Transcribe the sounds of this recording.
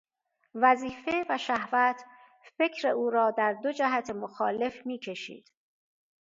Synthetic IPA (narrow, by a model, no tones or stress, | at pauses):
væziːfe̞væʃæhvæt̪ʰ | fecʰɾe̞ʔuːɾɒːd̪æɾd̪od͡ʒæɦæt̪ʰemoxɒːle̞fmiːcʰe̞ʃḭːd̪̥